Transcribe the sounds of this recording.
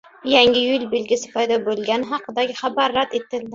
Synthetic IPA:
jaŋʲɪjʊlʲˠbelɡʲɪsɪ̥pʰɒjd̪ɒbolˠɡʲanɪɦɑqʰɨd̪aɡʲɪχabaɾːad̪et̪ɪld̪ɪ

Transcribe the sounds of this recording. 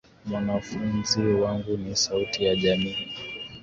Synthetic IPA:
mwanafunziwaŋɡunisautijaʄamiː

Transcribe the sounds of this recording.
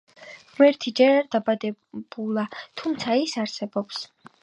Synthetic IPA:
wɛɾt̪ʰid͡ʒɛɾaɾd̪abad̪ɛb̥ulˠat̪ʰumt̪sʰaisaɾsɛbɔps

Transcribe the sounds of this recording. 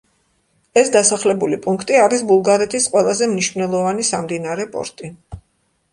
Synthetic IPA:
ɛsd̪asaχlɛbulipʼuŋkʰt̪ʼiaɾisbulˠɡaɾɛt̪ʰisqʼwɛlˠazɛmniʃvnɛlˠɔvanisamd̪inaɾɛpʼɔ̰ɾt̪ʼi

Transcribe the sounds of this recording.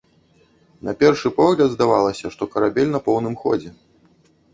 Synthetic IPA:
nɐpʲɛrʂɨpɔɣlʲɐd̪zd̪avalˠɐsʲɐʂt̪ɔkɐɾabʲɛlʲnɐpɔwnɨmxɔ̰d͡zʲɛ

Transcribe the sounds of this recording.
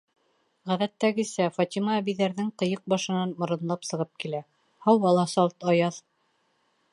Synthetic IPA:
ʁæðæt̪ːæɡɘ̆sæfɑt̪ʲimɑːβiðæɾðɘŋqɤ̆jɤq̚bɑʃɤ̆nɑnmŏɾɤ̆nlˠɑpsɤ̆ʁɤp̚kilæ | hɑwɑlˠɑsɑlˠt̪ɑjɑð

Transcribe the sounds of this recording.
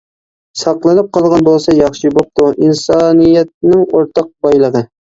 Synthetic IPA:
sɑqlˠɨnɨp̚qʰɑlˠʁɑnbolˠsɑjɑχʃibop̚t̪ʰuʔinsɑːnijɛt̪̚nɪŋoɾt̪ʰɑq̚bɑjlˠəʁə

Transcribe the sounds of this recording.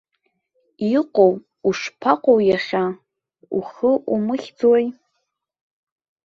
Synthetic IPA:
iqʷʼow | uʂpʰaqʷʼowjaχʲa | ṵχəʔumɨχʲd͡zwoj

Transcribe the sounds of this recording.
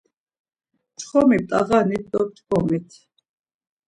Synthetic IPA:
t͡ʃʰχɔmip̚t̪ʼa̰ʁanit̪̚ʰd̪ɔp̚t͡ʃ̪ɡɔmit̪ʰ

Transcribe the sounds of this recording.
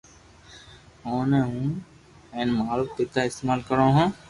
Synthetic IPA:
ɦõːneːɦũː | ɛ̃ːnmaːɾəft̪eːt̪aːɪst̪eːmaːlkəɾõːɦõː

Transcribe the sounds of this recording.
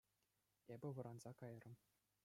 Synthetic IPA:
ebʲɘ̆ʋɤ̆ɾɑnzɑkɑj̆rɤ̆m

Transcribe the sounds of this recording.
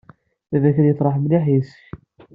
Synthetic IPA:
θævæçəɾjəθˤɾˤɑħmliħisç

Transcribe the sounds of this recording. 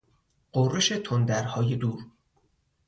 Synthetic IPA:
ɢorːeʃe̞t̪ʰond̪æɾhɒːje̞d̪uːɾ

